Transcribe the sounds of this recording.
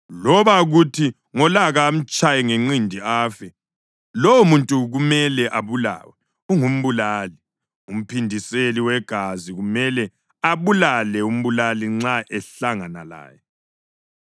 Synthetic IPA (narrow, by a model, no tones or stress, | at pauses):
lɔβaɣutʰi | ŋɔlaɣaːm̩t͡ʃʼajɛŋeŋ͡ǀindʱiaːfɛ | lowumuntʼuɣumɛlɛʔaβula̰wɛ | uŋum̩βulaːli | um̩pʰindʱiseliwɛɡ̥ʱaziɣumɛlɛ | aβulalɛum̩βulaliŋ͡ǀaʔɛɬaŋana̰la̰ːjɛ